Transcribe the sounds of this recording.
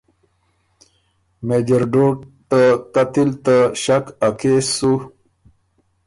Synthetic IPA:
med͡ʑəɾɖoːʈt̪akat̪ilt̪aɕakakesu

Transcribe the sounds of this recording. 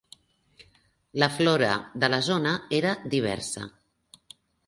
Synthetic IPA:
ləflɔɾə̰ðələzonəeɾəd̪iβ̞ɛ̰ɾsə̰

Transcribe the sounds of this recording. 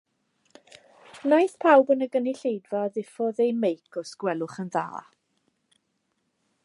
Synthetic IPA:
najθpʰawbənəɡəniɬejdvaðɪfɔðejmejkʰɔsɡ̥wɛlˠʊχənða̰ː

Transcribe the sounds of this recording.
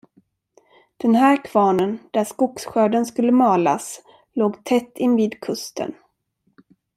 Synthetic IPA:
d̪̥ɛnɦæːɾkʰv̥ɑːnənd̪̥æʂkʊksɧøːɖənskɵlːəmɑːla̰s | loːɡt̪ʰɛt̪ːɪnːviːd̪kʰɵst̪ʰə̰n

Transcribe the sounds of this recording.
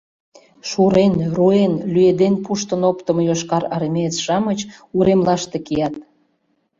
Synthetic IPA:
ʃuɾenruenlyed̪enpuʃt̪ənopt̪ə̆mjoʃkɑɾɑɾimet͡sʃɑmət͡ɕuɾemlɑʃt̪ekijɑt̪̚

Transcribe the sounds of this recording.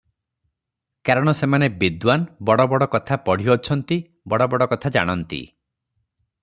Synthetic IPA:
kaɾɔɽ̃ɔsemanebid̪wanbɔɽɔbɔɽɔkɔt̪ʰapɔɽ̤iɔt͡ʃʰɔnt̪i | bɔɽɔbɔɽɔkɔt̪ʰad͡ʒa̰ɽ̃ɔnt̪ḭ

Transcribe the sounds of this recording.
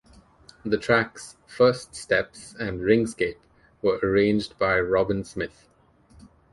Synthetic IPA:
ðətʰɹæksfɜːststɛpsæ̃nɖɹɪ̃ŋskeːp | ʋəʔəɹẽːnd͡ʒɖbaɪɹɔbɪ̃nsmɪt̪

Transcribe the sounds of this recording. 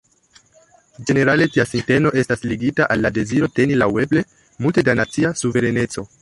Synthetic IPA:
d͡ʒe̞ne̞ɾale̞tiasinte̞no̞ʔe̞stasliɡitaʔalːade̞ziɾo̞te̞nilawe̞ble̞ | multe̞danat͡siasuve̞ɾe̞ne̞t͡so̞

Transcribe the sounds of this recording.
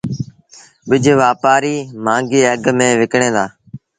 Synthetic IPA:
ɓɪd͡ʒʱʋaːpaːɾiːmãːŋɡiːəɡmẽːʋɪkɳẽːd̪aː

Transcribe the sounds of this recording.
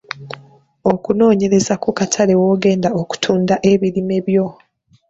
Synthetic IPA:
o̞kuno̞ːɲe̞ɾe̞zakukatʰale̞woːɡe̞ːndaoku̥tʰuːndaʔe̞βiɾime̞βjo̞

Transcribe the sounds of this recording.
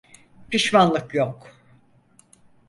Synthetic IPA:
pʰiʃmanlˠɯkjok

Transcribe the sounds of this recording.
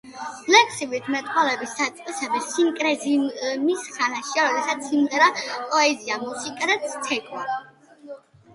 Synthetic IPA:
lɛkʰsibit̪ʰmɛt̪ʼχʼwalɛbisːat̪sʼqʼisɛbɛsiŋkʼɾɛzimisχanaʃiaɾɔd̪ɛsat̪sʰimʁɛɾapʼɔɛziamusikʼaɾɛt̪sʰt̪ʰɛkʼwa

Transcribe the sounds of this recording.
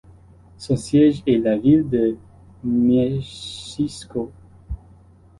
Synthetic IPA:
sɔ̃sjɛʒɛlavild̪ə | mɛ | isko

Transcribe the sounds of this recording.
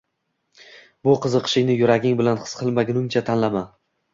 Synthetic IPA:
bʊqʰɨzɨqʰɨ̥ʃɪŋnɪjʊɾaɡʲɪŋbɪlanχɨ̥sqʰɨlˠmaɡʲɪnʊŋt͡ʃʰat̪ʰanlama

